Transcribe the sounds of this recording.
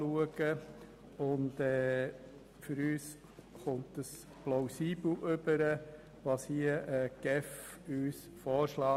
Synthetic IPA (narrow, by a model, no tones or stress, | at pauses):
luəɡ̥ə | ʊndɛː | fʏɾyːs | χʊntəs | plaʊsiːbl̩ʔʏbəɾə | ʋɑːshiəʔəɡ̥ɛf | yːs | fɔːʃlɑː